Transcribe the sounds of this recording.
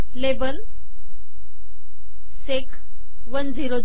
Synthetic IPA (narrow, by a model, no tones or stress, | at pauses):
lebəl | sekʰ | ʋənd͡ziɾo